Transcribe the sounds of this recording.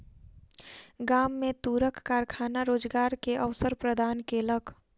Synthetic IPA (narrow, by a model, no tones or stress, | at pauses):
ɡaːmːẽt̪uːɾəkːaːɾkʰaːnaɾoːd͡ʒɡaːɾkeʔəʋsəɾpɾəd̪ʱaːnkeləkʰ